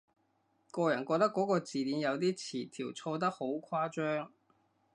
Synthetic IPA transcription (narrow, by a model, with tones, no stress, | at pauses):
kɔː˧jɐ˨˩nkɔː˧t̪ɐ˥kːɔ˨˥kɔː˧t͡siː˨liː˨˥njɐ˨˧wt̪̬iː˥t͡sʰiː˨˩t̪ʰiː˨˩wt͡sʰɔː˧t̪̬ɐ˥k̚ho˨˥wkʷʰwaː˥t͡ʃœː˥ŋ